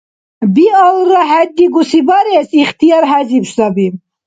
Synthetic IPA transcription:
biɔlɾɑɦæd̪ːiɡusibɑɾɛsiχt̪ʰijɑɾɦæzibʃd̪ɑbim

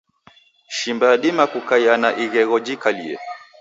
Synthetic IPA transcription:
ʃimbaːɗimakukajanaʔiɣɛɣɔd͡ʒikaliɛ̰

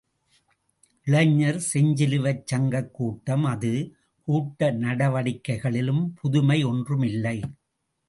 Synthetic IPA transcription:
ʔɪɭɐɲːɐɾsɛɲd͡ʒɪlɯʋɐt͡ʃːɐŋɡɐkːuːʈːɐmɐðɯ | kuːʈːɐnɐɽɐʋɐɽɪkːɐɪɣɐɭɪlɯmpʰʊðʊmɐɪɔndrɯmɪlːɐɪ

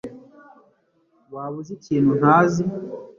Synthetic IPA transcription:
βaːβuziciːn̥hun̥aːzi

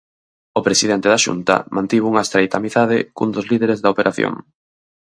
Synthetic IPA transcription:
opɾesiðent̪eðaʃṵnt̪ɐ̰mʔãnt̪iβuŋɐest̪ɾejt̪ɐmiθað̞ɪ̰kund̪ozliðeɾezðɐopeɾaθjo̰ŋ

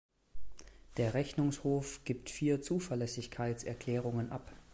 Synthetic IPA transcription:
d̥eːɐʁɛçnʊŋshoːfɡ̥iːptfiːɐt͡suːfɛɐlɛsɪçkʰaɪtt͡sɛɐkʰl̥ɛːʁ̞ʊŋənʔap

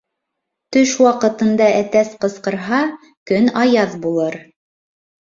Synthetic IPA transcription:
t̪ɵʃwɑqɤ̆t̪ɤ̆nd̪ɑʔæt̪æsqɤ̆sqɤ̆ɾɦɑ | kɵnɑjɑðbulˠɤɾ

